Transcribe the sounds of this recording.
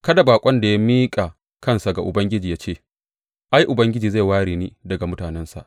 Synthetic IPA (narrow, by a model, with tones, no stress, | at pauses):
kɐ˦da˨baː˨kʷʼɔ˦nda˨ja˦miː˦kʼa˨ | kɐ˦nsa˨ɡa˨ʔʊ˨bɐ˦ŋɡʲɪ˦d͡ʒiː˨jaː˦t͡ʃeː˦˨ | ʔa˦jʔʊ˨bɐ˦ŋɡʲɪ˦d͡ʒiː˨za˦˨waː˦ɽiː˨niː˦dɐ˨ɡa˨mʊ˦taː˨nɛ˦nsa̰˨ʔ